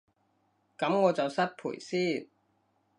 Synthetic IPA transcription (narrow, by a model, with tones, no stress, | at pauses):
kɐ˨˥mŋɔː˨˧t͡sɐ˨wsɐ˥t̚pʰṵː˨˩jsiː˥˨n